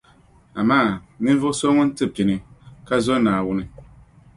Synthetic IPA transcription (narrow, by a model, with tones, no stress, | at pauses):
a˨maː˦˨nɨ˦n˦vʊ˦sɔ˦ŋʊ˦n˦tɨ˦pi˨nɨ˨ka˦zɔ˦naː˨wʊ˦nɨ˦